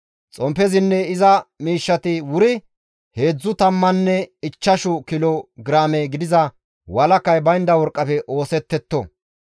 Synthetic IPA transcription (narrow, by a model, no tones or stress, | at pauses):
t͡sʼɔmpɛzɪnːɛɪzɐmiːʃːɐt̪ɪwʊɾɪ | he̞ːd͡zːʊt̪ɐmːɐnːɛɪt͡ʃːɐʃʊkɪlɔɡɪɾaːmɛɡɪd̪ɪzɐ | wɐlɐkːɐjbɐjnd̪ɐwɔɾkʼːɐfɛʔo̞ːsɛt̪ːɛt̪ːɔ̰